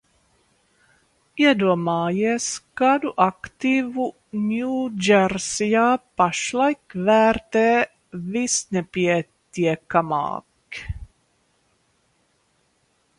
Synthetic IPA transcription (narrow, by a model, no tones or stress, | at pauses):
jɛd̪omɑːjɛskad̪uʔakt̪iːvu | njuːd͡ʒɛrsiapaʃlajkʋæːɾt̪ɛː | visnɛpjɛt̪jɛkamɑ̰ːk